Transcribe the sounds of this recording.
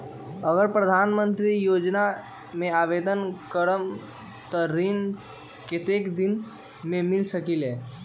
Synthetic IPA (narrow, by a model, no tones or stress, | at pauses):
əɡəɾpɾəd̪ʱaːnmə̃nt̪ɾijoːd͡ʒna | mẽaːʋed̪ənkəɾəm | t̪ɔɾin | kɪt̪ekd̪in | mẽmɪlsəkileː